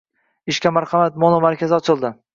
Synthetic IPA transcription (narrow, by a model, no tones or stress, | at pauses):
ɪʃkʲamaɾχɑmat̪̚mɒnɒmaɾkʲazɪɒt͡ʃʰɪlˠd̪ɪ